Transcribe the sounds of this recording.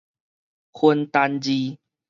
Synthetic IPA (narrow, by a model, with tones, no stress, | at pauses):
hu˧nt̪a˧nd͡ʑi˧